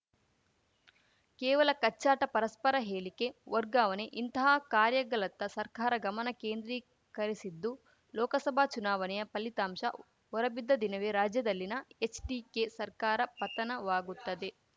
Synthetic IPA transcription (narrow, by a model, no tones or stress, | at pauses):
kɛːʋɐlɐkɐt͡ʃːaːʈɐpɐɾɐspɐɾɐɦeːlike̞ʋɔɾɡaːʋɐneʔint̪ɐɦaːkaːɾjɐɡɐlɐt̪ːɐsɐɾkaːɾɐɡɐmɐnɐkeːnd̪ɾiː | kɐɾisid̪ːu | lɔːkɐsɐbʱaːt͡ʃunaːʋɐnɛjɐpɐlit̪aːmʃɐ̰ | ɔɾɐbid̪ːɐd̪inɐʋeːɾaːd͡ʒjɐd̪ɐlːinɐet͡ʃɖiːkesɐɾkaːɾɐpɐt̪ɐnɐʋaːɡut̪ːɐd̪e̞